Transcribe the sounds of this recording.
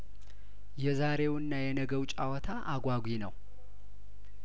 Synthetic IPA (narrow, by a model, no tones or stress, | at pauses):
jɛzaɾe̞wɨnːajɛnəɡəwt͡ʃʼawɔt̪ʰaʔaɡʷaɡʷinəw